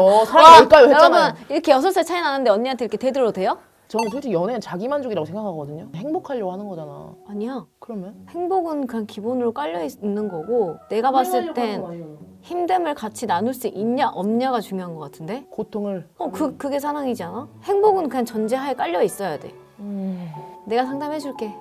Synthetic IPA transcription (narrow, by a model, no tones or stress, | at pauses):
ʌsʰaaiɭk͈ajoʌmʌniɾʌkʰe̞jʌs̬ʰʌɭs͈ɯt͡ɕʰainanɯnde̞ʌmɲaantʰeiɾʌkʰete̞dɯɾʌdwe̞jo | t͡ɕʌnɯp̬ʰoɭt͡ɕʰejʌnet͡ɕaɡimand͡ʑoɡiɾaɡosʰeŋɡakʰaɡʌdɯɲoheŋbokʰaʎːʌhanɯnɡʌd͡ʑana̰aɲiakɯɾʌmjʌnhe̞ŋboɡɯnkɯɲankibonɯɾok͈aʎːʌinːɯnɡʌɡone̞ɡapas͈ɯɭt͈e̞n | çimdemɯɭkat͡ɕʰinanuɭs͈uʔiɲɲaʔʌmɲaɡat͡ɕuŋjoɦanɡʌk͈atʰɯnde̞kotʰoŋɯɭʌkɯkɯɡe̞s̬ʰaɾaŋid͡ʑianahe̞ŋboɡɯnkɯɲant͡ɕʌnd͡ʑe̞ɦaek͈aʎːʌis͈ʌjade̞̰ | ne̞ɡasʰaŋdamɦe̞d͡ʑuɭk͈e̞